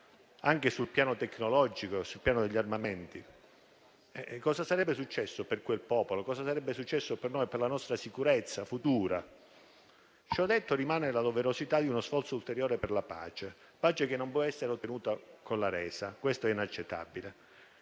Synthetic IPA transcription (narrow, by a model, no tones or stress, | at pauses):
aŋk̟esulpjaːnot̪ekːnolɔd͡ʒikosulpjaːnod̪eʎːarmament̪i | ɛkɔːsasaɾɛbːesut͡ʃːɛsːoperkwelpɔːpolokɔːsasaɾɛbːesut͡ʃːɛsːopernoːjperlanɔst̪ɾasikuɾet̪sːafut̪uːɾa | t͡ʃɔd̪ːet̪ːorimaːnelad̪oveɾosit̪ad̪iunosfɔrt̪soult̪eɾjoːɾeperlapa̰ːt͡ʃe | paːt͡ʃekenːompwɔɛsːeɾeot̪ːenuːt̪akonlaɾɛːsakwest̪oɛinat͡ʃːet̪ːa̰bile